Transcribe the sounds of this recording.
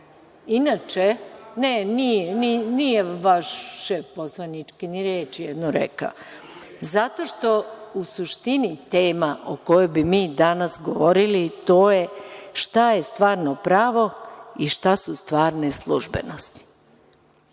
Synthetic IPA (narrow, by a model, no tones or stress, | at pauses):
inat͡ʃenenijeninijeʋaʃːefposlˠanit͡ʃkiniɾeːt͡ʃjɛd̪noɾḛka̰ | zat̪o̞ʃt̪o̞usuʃt̪init̪eːmaʔoko̞jojbimiːd̪anasɡoʋoɾilit̪o̞ːje̞ʃt̪ajest̪ʋaːɾnopɾaːʋo̞iʃt̪asust̪ʋaːɾneslˠuʒbḛnost̪i̥